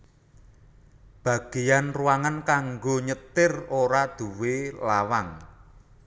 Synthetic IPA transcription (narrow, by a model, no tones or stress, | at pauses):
b̥a̤ɡ̥e̤janruwaŋankaŋɡoɲət̪ɪroɾad̪̥ṳwelawaŋ